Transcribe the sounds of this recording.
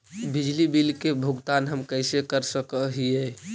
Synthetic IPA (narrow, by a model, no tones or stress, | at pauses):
bid͡ʒlibilkebʱuɡt̪anɦəmkəjsekəɾsəkəɦiɛ